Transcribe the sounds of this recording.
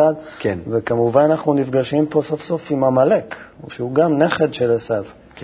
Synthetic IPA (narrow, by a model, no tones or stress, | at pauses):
ad | kenvekamuvananaχnunifɡaʃimpo̞so̞fso̞fimamale̞koʃeuɡamne̞χe̞dʃelesad